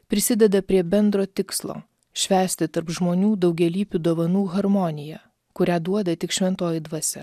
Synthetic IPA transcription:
pʲɾʲɪsʲɪd̪ʲɛd̪ɐpʲɾʲiɛbʲɛnd̪ɾoːt̪ʲɪkslˠo̰ː | ʃʲʋʲæːsʲt̪ʲɪt̪ɐɾpʒmoːnʲuːd̪ɒʊɡʲɛlʲiːpʲud̪oːʋɐnuːɣɐɾmɔnʲɪjæ | kʊɾʲæːd̪uɔd̪ɐt̪ʲɪkʃʲʋʲɛnt̪oːjid̪ʋɐsʲɛ

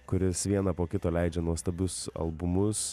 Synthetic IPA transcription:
kʊɾʲɪsʋʲiɛnɐpoːkʲɪt̪oːlʲæɪd͡ʒʲɛnuɔst̪ɐbʲʊsɐ̰lˠbʊmʊs

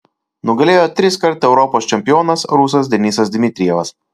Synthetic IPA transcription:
nʊɡɐlʲeːjoːt̪ʲɾʲɪskɐɾt̪ɛʊɾɔpoːst͡ʃʲɛmʲpʲɪjoːnɐsɾʊsɐs̬d̪ʲɛnʲiːsɐsd̪ʲmʲɪt̪ʲɾʲɪjɛʋɐs

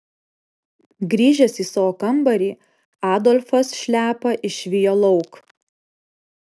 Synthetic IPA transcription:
ɡɾʲiːʒʲɛsiːsɐoːkɐmbɐɾʲiː | ɑːd̪ɔlʲfɐsʃʲlʲæːpɐʔɪʃʲʋʲɪjoːlˠɔʊk

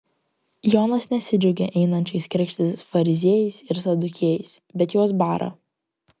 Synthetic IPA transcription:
joːnɐsnʲɛsʲɪd͡ʒʲʊɡʲeʔɛɪnɐnʲt͡ʃʲɐɪskɾʲɛkʃʲt̪ʲɪsfɐɾʲɪzʲiɛjɛɪsɪɾsɐd̪ʊkʲiɛjɛɪsbʲɛt̪joɔsbɑːɾʔɐ̰

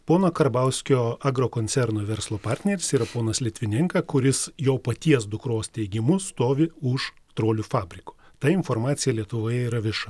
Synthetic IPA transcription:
poːnoːkɐɾbɐʊsʲkʲoːɐɡɾoːkoːnʲsʲɛɾnoːʋʲɛɾslˠoːpɑɾʲt̪ʲnʲɛɾʲɪsiːɾɐpoːnɐslʲɪt̪ʲʋʲɪnʲɪŋkɐkʊɾʲɪsjoːpɐt̪ʲiɛsd̪ʊkɾoːst̪ʲɛɪɡʲɪmʊst̪oːʋʲɪʊʃ | t̪ɾoːlʲufɑːbʲɾʲɪkʊ̥ | t̪ɐɪnfoːɾmɑːt̪sʲɪjɛlʲiɛt̪ʊʋoːjɛiːɾɐʋʲɪʃɐ

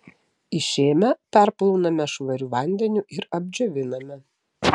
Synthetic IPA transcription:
ɪʃʲeːmʲɛpʲæɾplˠɔʊnɐmʲɛʃʋɐɾʲuːʋɐˑnʲd̪ʲɛnʲʊʔɪɾɐbʲd͡ʒʲoʋʲɪnɐmʲɛ

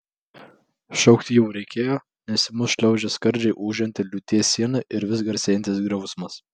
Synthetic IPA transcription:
ʃʲɛʊkt̪ʲɪjɛʊɾʲɛɪkʲeːjoː | nʲɛsʲɪmʊsʃʲlʲɛʊd͡ʒʲɛskɐɾʲd͡ʒʲɛɪʔuːʒʲɛnʲt̪ʲɪlʲʊt̪ʲiɛsʲːiɛnɐʔɪɾʋʲɪs̬ɡɐɾʲsʲeːnt̪ʲɪsɡɾɐʊsmɐs

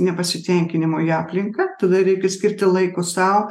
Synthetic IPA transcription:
nʲɛpɐsʲɪt̪ʲɛŋʲkʲɪnʲɪmoːjiɑːpʲlʲɪŋkɐt̪ɐd̪ɐɾʲɛɪkʲɛsʲkʲɪɾʲt̪ʲɪlˠɐɪkoːsɑːo

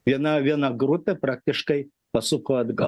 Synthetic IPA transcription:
iɛnɐʋʲiɛnɐɡɾut̪ɨpɾak̚t̪ʲɪʂkɐj | pɐsukɐɐd̪ɡɐ

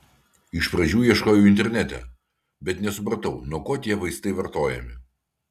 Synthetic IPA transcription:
ɪʃpɾɐʒʲuːjiɛʃkoːjuːɪnʲt̪ʲɛɾʲnʲɛt̪ʲɛ̰ | bʲɛt̪nʲɛsʊpɾɐt̪ɐʊnuɔkoːt̪ʲiɛʋɐɪst̪ɐɪʋɐɾt̪oːjɛ̰mʲɪ

